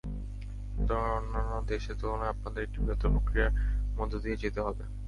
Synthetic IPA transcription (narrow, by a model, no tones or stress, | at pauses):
t̪omaɾonːanːod̪eʃet̪oonoap̚nad̪eɾekʈibet̪opokɾijamod̪ʱːod̪ied͡ʑet̪eɦɔbe